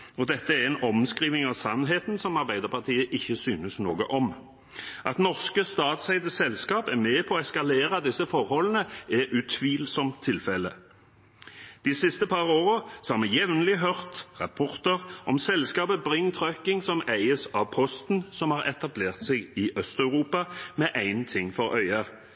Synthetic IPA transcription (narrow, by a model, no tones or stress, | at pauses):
ɔd̪ɛt̪ːəæɾɛnɔmskɾiːʋnɪŋɑʋsɑnːɦeːt̪nsɔmɑʁbæɪd̪əpɑʁt̪ʰiːəʔɪçːəsyːnəsnoːɡə̰ʔɔm | ʔɑt̪nɔʁskəst̪ɑːt̪sæɪd̪əsɛlskɑːpæʁmeːpʰɔːɛskɑleːɾɑd̪ɪsːəfɔʁhɔlənəɛʔʉt̪ʰʋiːlsɔmt̪ʰːɪlfɛlə | d̪̥ɪsɪst̪əpʰɑʁoːʁəsɔhɑːʁmɛjɛʋnlɪɦœʁt̪ʁɑpʰɔʁt̪əʁɔmsɛlskɑːbəbʁɪŋt̪ʰʁœkɪŋsɔmæɪəsɑʋpʰɔst̪n̩sɔmhɑʁɛt̪ɑbleːʁt̪sɛɡɪʔœst̪œʉʁuːpɑmɛʔæɪnt̪ʰɪŋfɔʁœʏɑ